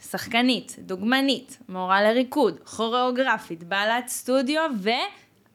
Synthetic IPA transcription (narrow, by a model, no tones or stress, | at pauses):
saχkanit̪duɡmanit̪moʁaleʁikudχo̞ʁeoɡʁafit̪baːlatst̪udjove